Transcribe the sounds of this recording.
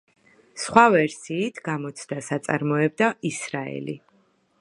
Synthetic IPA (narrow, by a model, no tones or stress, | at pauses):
sχwavɛɾsiːt̪ʰɡamɔt̪sʰd̪asat̪sʼa̰ɾmɔɛb̚d̪aisɾaɛ̰li